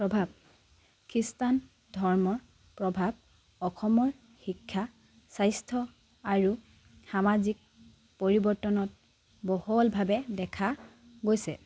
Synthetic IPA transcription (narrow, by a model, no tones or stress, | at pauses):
pɹɔbʱab̚ | kʰɹistan | dʱɔɹmɔɹ | pɹɔbʱab̚ | ɔxɔmɔɹ | xikʰːa | sajstʰɔ | aɹu | xamazik̚ | poɹibɔɹtɔnɔt̚ | bɔhɔlbʱabɛdɛkʰa | ɡojsɛ